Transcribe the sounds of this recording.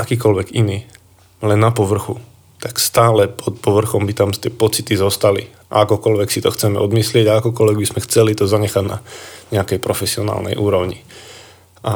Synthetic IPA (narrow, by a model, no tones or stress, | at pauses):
akiːk̬ɔlʋɛɡiniː | lɛnːapɔʋr̩xu | t̪akst̪aːlɛpɔt̪̚pɔʋr̩xɔmbit̪amt̪ɪɛpɔt͡sit̪izɔst̪alḭ | ʔa̰akɔkɔlʋɛksit̪ɔxt͡sɛmɛɔd̪mislɪɛɟaakɔkɔlʋɛɡbizmɛxt͡sɛlit̪ɔzaɲɛxaɟna̰ɲɛakɛjpɾɔfɛsiɔna̰ːlnɛ̰jʔuːɾɔʊɲḭ | ʔa